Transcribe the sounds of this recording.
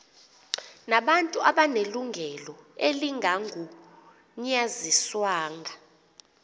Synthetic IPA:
naɓantʼuʔaɓaneluŋɡʱɛlɔeliŋʱaŋʱu | ɲaziswaːŋʱa

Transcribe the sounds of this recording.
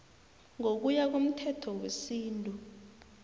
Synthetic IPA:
ŋok̬ujak̬om̩tʰɛtʰɔwesiːntʼu

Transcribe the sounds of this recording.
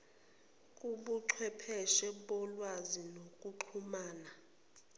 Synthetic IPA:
kʼuɓuǃʰwɛpʰɛʃɛɓɔlwazinokʼuǃʰumaːna

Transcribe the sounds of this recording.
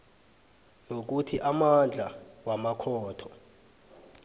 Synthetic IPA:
nok̬utʰiʔamand͡ɮʱawamakʰɔːtʰɔ̥

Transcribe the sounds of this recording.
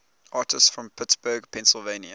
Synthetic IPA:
ʔɑːˑtʰəstsfɹə̃mpʰɪtsb̥əːɡpʰɛ̃nsəlˠvẽɪ̃njə

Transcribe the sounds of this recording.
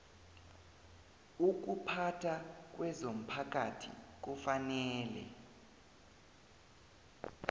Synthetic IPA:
uk̬upʰatʰak̬wʔɛzom̩pʰak̬atʰḭk̬ɔfanɛːlɛ̰

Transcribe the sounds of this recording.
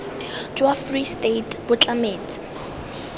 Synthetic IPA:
d͡ʒwafristetʰʼbʊt͡ɬʼameːt͡sɪ̥

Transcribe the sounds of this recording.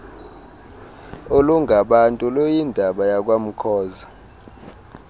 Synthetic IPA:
oluŋɡʱaɓantʼulojindʱaɓajak̬ʼwam̩kʰɔːza

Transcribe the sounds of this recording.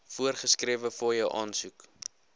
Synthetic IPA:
fuərχəskriəvəfɔjəwʔɑːnsuk

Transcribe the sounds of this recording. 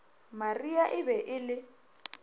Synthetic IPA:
mariaʔɪbɛʔɪlɪ

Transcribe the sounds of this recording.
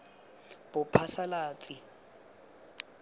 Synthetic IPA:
bʊpʰasalaːt͡sʼi

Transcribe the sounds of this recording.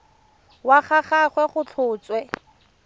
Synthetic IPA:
waχaχaχwɛχʊt͡ɬʰʊːt͡swɛ

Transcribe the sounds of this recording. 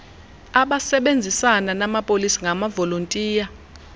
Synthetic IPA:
aɓasɛɓend͡zʱisananamapʼolisiŋamavolontʼiːja

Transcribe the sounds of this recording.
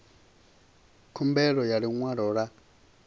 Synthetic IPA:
kʰumbɛlɔjaliŋwaɺɔɺa

